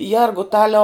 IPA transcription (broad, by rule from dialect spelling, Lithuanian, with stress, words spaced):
ˈjɛrɡʊtɐlʲɛʊ